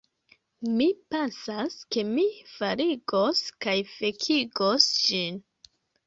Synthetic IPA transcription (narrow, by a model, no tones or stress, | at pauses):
mipensaske̞mifaɾiɡo̞skajfekʰiɡosd͡ʒin